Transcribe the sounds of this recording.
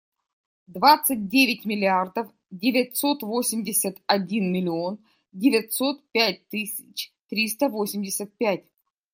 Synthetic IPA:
d̪vat̪sɨt̚ʲdʲevʲɪtʲmʲɪlʲɪard̪əf | dʲɪvʲɪtʲso̞t̪vo̞sʲɪmʲdʲɪsʲət̪ɐdʲinmʲɪlʲɪo̞n | dʲɪvʲɪtʲsot̪pʲæt̚ʲt̪ɨsʲɪt͡ɕt̪ɾʲis̬t̪əvosʲɪmʲdʲɪsʲət̪̚pʲætʲ

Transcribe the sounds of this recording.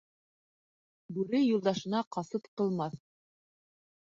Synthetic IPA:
bʉɾɘjulˠd̪ɑʃɤ̆nɑqɑsɤpqɤ̆lˠmɑθ

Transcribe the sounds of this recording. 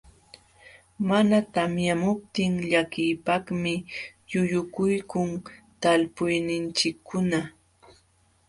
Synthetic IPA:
manat̪amjamʊp̚t̪ɪŋʎakɪjpakmɪjʊʎʊkʊjkʊŋt̪alpʊjnɪnt͡ʃɪkʰːʊna

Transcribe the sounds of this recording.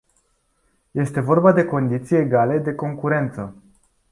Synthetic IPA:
je̞st̪e̞vo̞rbad̪e̞ko̞nd̪it̪sijeɡale̞d̪e̞ko̞ŋkuɾe̞nt̪sə

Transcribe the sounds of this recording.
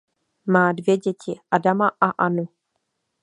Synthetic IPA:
maːdvjɛɟɛcɪʔadamaʔaʔanu

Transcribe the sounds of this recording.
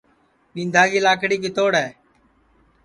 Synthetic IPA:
ɓĩːnd̪ʱaːɡiːlaːkɽiːk̬ɪt̪oːɽɦɛː

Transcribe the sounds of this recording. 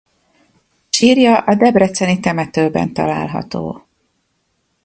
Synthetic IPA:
ʃiːrjɒʔɒd̪ɛbrɛt̪sɛnit̪ɛmɛt̪øːbɛ̰nt̪ɒ̰laːlɦɒ̰t̪o̰ː

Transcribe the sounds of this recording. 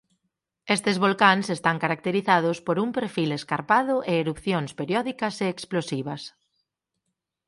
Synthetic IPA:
est̪ezβolkaŋsest̪aŋkaɾak̚t̪eɾiθaðʊspoɾumpeɾfileskaɾpaðʊʔeːɾupθjoŋspeɾjɔðikɐseːksplosiβ̞ɐs

